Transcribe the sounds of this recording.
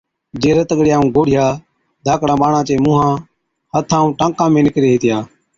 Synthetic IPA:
d͡ʒeːɾət̪əɠɽɪjãːũːɡoːɽɪjaː | d̪ʱaːkɽãːɓaːɳãːt͡ʃeːmũːɦãː | hət̪ʰaːũːʈãːkãːmẽːnɪkɾeːɦeːt̪ɪjaː

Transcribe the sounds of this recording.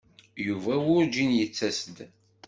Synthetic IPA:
juvæwʊɾd͡ʒinjət͡sːæsəd̪

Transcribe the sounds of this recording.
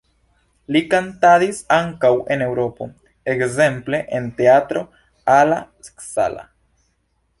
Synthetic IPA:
likantadisaŋkawe̞ne̞wɾo̞po̞̰ | ekze̞mple̞ʔente̞atɾo̞ | alasksa̰la̰

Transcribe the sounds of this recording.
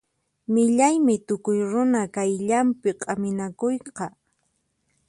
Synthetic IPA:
mɪʎajmɪt̪ʊkʊjɾʊnakajʎampɪqʼamɪnakojqɑ

